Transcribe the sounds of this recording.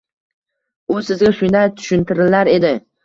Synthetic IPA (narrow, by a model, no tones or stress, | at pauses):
ʊsɪzɡʲaʃʊnd̪at̪ʰʊ̥ʃɪnt̪ʰɪɾɪlaɾe̞d̪ɪ